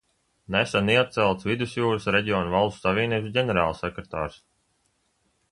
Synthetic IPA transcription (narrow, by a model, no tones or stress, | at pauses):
nesaniat̪̚t̪sɛlˠt̪svid̪usjuːɾɨsɾeɟʲiɔːnuvalˠsavʲiːnʲiɟʲenɛɾaːlˠsɛkɾet̪a̰ːɾs